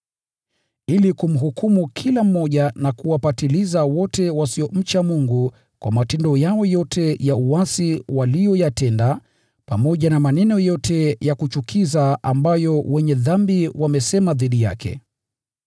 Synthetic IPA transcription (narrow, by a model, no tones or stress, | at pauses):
ilikum̩ɦukʰumukʰilam̩ːɔʄanakuwapatilizawɔtɛwasiɔm̩t͡ʃamuŋɡu | kwʔa̰matɛndɔjaɔjɔtɛjauasiwalijɔjatɛnda | pamɔʄanamanɛnɔjɔtʰɛjakut͡ʃukʰizaambajɔwɛɲɛðambiwamɛsɛmaðiɗija̰kʰɛ̰